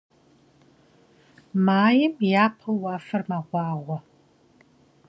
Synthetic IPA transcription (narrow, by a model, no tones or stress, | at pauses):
maːjɪmjaːpʰɐwɑːfɐrmaʁʷɑːʁʷɔ